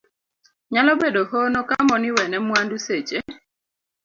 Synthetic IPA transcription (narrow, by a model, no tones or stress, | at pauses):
ɲalɔbedoɦonokamɔniwɛnɛmwanduset͡ʃe